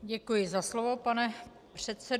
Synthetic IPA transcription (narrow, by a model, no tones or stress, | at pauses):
ɟɛkujɪzaslovo̞panɛ | pr̝̥ɛt̪sɛ